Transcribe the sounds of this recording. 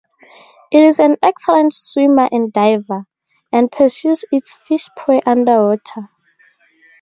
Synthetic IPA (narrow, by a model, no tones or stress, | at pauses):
ʔitizɛ̃nɛksɛlɛ̃ntswimaʔɛ̃ndajva | ɛ̃n̚pʰəsjuzitsfiʃpʰɔʔãndəwɔtʰə